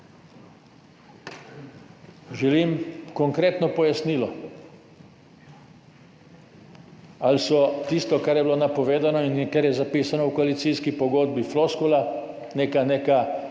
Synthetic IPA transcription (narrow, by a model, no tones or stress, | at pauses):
ʒɛliːmkɔŋkɾeːt̪nɔpɔjasniːlɔ | alsɔt̪ist̪ɔkaɾjɛbilonapɔʋeːd̪anɔinkaɾjɛzapiːsanɔukoalit̪siːskipɔɡoːd̪̚bifloskola | neːkaneːka